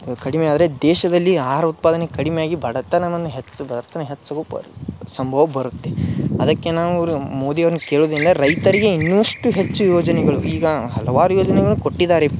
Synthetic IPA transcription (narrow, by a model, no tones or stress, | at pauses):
kɐɽimeaːd̪ɐɾed̪ɛːʃɐd̪ɐlːiaːɾɐut̪̚paːd̪ɐnekɐɽimejaːɡibʱɐɽɐt̪ːɐnɐmɐnːɐɦet͡ʃsɐbɐd̪ɐɾt̪ɐnɐɦet͡ʃːɐɡṵsɐmbʱɐʋɐbɐɾut̪ːeɐd̪ɐkːe̞naːʋumoːd̪iɐʋɐɾnuke̞ːɭoːd̪ɾind̪ɐɾɐjt̪ɐɾiɡeinːuʋɐʂʈuɦet͡ʃːujoːd͡ʒɐnɛɡɐɭṵʔiːɡɐɦɐlɐʋaːɾujoːd͡ʒɐnɛɡɐɭuko̞ʈːid̪aːɾe